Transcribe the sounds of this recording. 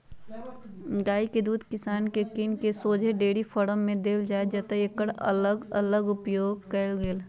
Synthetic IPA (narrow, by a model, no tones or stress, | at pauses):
ɡaːiked̪uːd̪ʱkɪsaːnkekinkesoːd͡ʒʱeɖeːɽifʰəɽəmːẽd̪eːld͡ʒaːed͡ʒɐt̪əekəɽɐ̰ləɡələɡʊpjoːɡ̚kɛlɡeːl